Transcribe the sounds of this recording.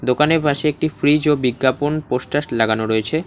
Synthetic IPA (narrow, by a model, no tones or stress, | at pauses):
d̪okaneɾbʱaʃeek̚ʈifɾid͡ʑobiɡːaponpoʃʈaʃlaɡanoɾoet͡ɕʰe